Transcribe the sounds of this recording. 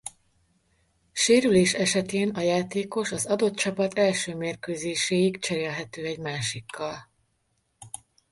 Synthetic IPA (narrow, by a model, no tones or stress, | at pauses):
ʃeːɾyleːʃɛʃɛt̪eːnɒjaːt̪eːko̞ʃɒzɒd̪o̞t̪̚t͡ʃɒpɒt̪ɛlʃøːmeːrkøːzeːʃeːjikt͡ʃɛɾeːlɦɛt̪øːɛɟmaːʃikːɒl